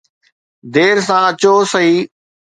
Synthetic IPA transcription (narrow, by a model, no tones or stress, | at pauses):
d̪eːɾsãɐt͡ɕosɐɦiː